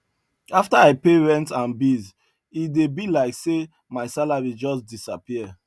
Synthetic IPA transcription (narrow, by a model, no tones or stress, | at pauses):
aftaaɪpeɹɛ̃ntãnbiz | idebilaɪkse | maɪsalaɹid͡ʒɔsdisapiə